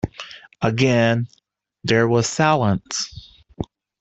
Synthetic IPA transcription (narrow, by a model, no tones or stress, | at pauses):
əɡɛ̃n | ðə˞wʌz̥sælˠə̃ns